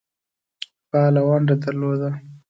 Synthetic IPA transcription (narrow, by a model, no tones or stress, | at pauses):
pɑlawaɳɖad̪əɾlod̪a